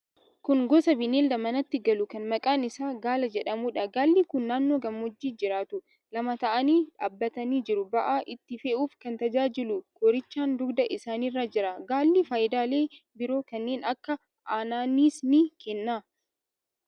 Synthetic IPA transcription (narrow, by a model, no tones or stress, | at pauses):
kʊnɡɔsɐbɪneːld̪ɐmɐnɐt̪ːɪɡɐlʊkɐnmɐkʼaːnɪsaːɡaːlɐd͡ʒɛᶑɐmuːᶑɐɡaːlːikʊnːaːnːoːɡɐmːɔd͡ʒːiːd͡ʒɪɾaːt̪ʊ | lɐmɐt̪ɐʔɐniːᶑa̰ːbːɐt̪ɐniːd͡ʒɪɾʊbɐʔaːʔɪt̪ːɪfeʔuːfkɐnt̪ɐd͡ʒaːd͡ʒɪlʊkɔɾɪt͡ʃːaːnd̪ʊɡd̪ɐʔɪsaːniːrːaːd͡ʒɪɾɐɡaːlːifaːjɪd̪aːle̞ː | bɪɾo̞ːkɐnːe̞ːnɐkːɐ | ʔaːnaːniːsnɪkɛnːaː